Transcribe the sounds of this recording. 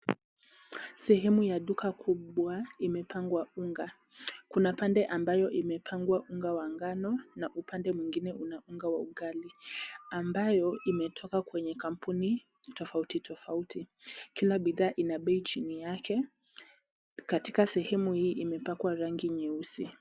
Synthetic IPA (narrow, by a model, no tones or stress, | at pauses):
sɛhɛmujaɗukʰakʰuɓwaimɛpʰaŋɡwauŋɡa | kunapandɛʔambajɔʔimɛpʰaŋɡwaʔuŋɡawaŋɡanɔnaʔupʰandɛmwiŋɡinɛʔunauŋɡawauɠaliambajɔimɛtʰɔkakwɛɲɛkam̩puni | tɔfautitʰɔfautʰi | kilaɓiðaːʔinaɓɛit͡ʃinijakʰɛ | katikasɛhɛmuhiːʔimɛpakwaɾaŋɡiɲɛusi